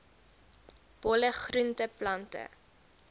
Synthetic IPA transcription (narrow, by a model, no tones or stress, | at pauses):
b̥ɔləχruntəplɐntə̰